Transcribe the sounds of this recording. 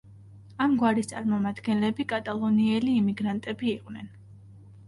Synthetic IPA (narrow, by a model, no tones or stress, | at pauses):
amɡwaɾist̪sʼaɾmɔmad̪ɡɛnlɛbikʼat̪ʼalˠɔniɛliːmiɡɾant̪ʼɛbiːqʼwnɛn